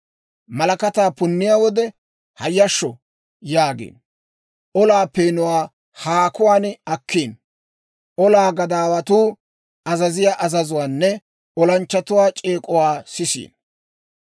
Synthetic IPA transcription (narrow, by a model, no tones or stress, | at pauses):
mɐlɐkɐt̪aːpʊnːɪjawɔd̪ɛ | hɐjːɐʃːɔ | jaːɡḛːn | ʔɔlaːpeːnʊwaː | haːkʊwaːnɐkːiːn | ɔlaːɡɐd̪aːwɐt̪uː | ɐzɐzɪjaʔɐzɐzʊwaːnːɛ | ɔlɐnt͡ʃːɐt̪ʊwaːt͡ʃʼeːkʼʊwaːsɪsḭːn